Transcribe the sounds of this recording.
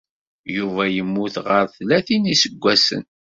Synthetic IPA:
juvæjəmːuθʁəɾθlæθinisəɡʷːæsə̰n

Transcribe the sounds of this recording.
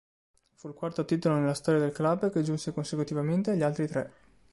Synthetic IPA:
fuilkwart̪ot̪iːt̪olonelːast̪ɔːɾjad̪elklabːked͡ʒunsekonsekut̪ivament̪eaʎːialt̪ɾit̪ɾɛ

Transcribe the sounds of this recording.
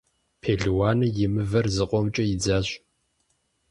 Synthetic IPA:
pʰeːɮwaːnɨjɪmɨvɐrzɨqʷʼɔmt͡ʃʼɐjɪd͡zaːɕʼ

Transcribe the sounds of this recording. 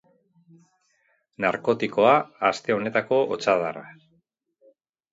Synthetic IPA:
naɾko̞t̪iko̞aːst̪e̞o̞ne̞t̪ako̞ʔot͡saðara̰

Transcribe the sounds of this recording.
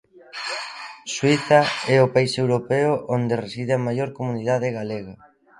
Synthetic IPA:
swiθɐɛopaisewɾopɛʊʔond̪eresiðeamajoɾkomuniðaðeɣaleɣa

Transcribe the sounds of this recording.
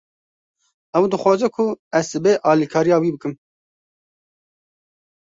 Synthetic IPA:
ɛwd̪ɨxʷwɑːzɛkʰʊɛzɨbeːʔɑːlikʰɑːɾijɑːwiːbɨkɨm

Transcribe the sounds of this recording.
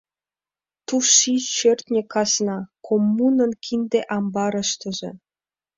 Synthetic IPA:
t̪uʃit͡ɕørt̪nʲĕkɑsnɑkʰomːunənkʰind̪eʔɑmbɑɾə̆ʃt̪ə̆ʒĕ

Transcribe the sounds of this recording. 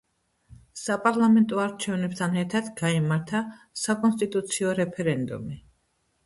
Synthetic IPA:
sapʼaɾlˠamɛnt̪ʼɔaɾt͡ʃʰɛvnɛbt̪ʰanɛɾt̪ʰad̪ɡaimaɾt̪ʰa | sakʼɔnst̪ʼit̪ʼut̪sʰiɔɾɛpʰɛɾɛnd̪ṵmi

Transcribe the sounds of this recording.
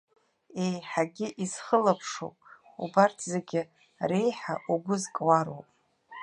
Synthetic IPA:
ejħaɡʲɪʔiz̥χəlapʰʂo̰wpʼ | ṵbartʰzeɡʲɪ | re̞jħa̰ʔuɡʷʊzkʼwaɾo̰wpʼ

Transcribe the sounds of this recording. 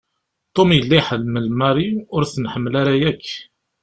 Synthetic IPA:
t̪ˤːomjəlːijħəðməlmɑɾiʊɾθnħəmːlaɾajækː

